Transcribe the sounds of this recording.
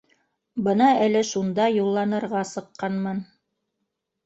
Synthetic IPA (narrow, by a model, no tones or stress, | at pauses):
bɤnɑælɘʃund̪ɑjulˠːɑnɤ̆ɾʁɑsɤ̆qːɑnmɤn